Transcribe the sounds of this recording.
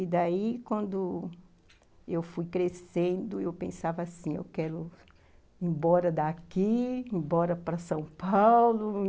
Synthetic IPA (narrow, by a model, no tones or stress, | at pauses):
id̪aikwɐ̃nd̪ʊ | ewfujkɾesẽnd̪ʊewpḛ̃savasĩḛwkɛɾʊ | ẽbɔɾɐd̪akiẽbɔɾɐpɾɐsɐ̃w̃pawlʊ